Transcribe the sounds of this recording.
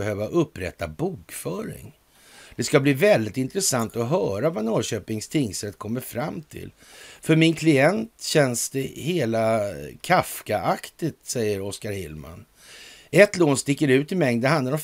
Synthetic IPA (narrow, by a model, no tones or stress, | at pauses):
ɛɦøːvaʔɵpːɾɛ̰t̪ːabuːkfœːɾɪ̰ŋ | d̪̥ɛskabliːvɛld̪ɪt̪ɪnt̪ɾɛsant̪ɔɦœːɾavanɔːɕøːpɪŋst̪ʰɪŋsɾɛt̪kʰɔmːəɾfɾamːt̪ʰɪ̰l | fœɾmɪnkʰlɪɛnt̪ɕɛnsd̪ɛheːlakʰafkaʔakt̪ɪt̪sɛjːəɾɔskaɾhɪ̰lma̰n | ɛt̪loːnst̪ɪkːəɾʉ̟ːt̪ɪmɛŋd̪ənɦand̪laɾɔm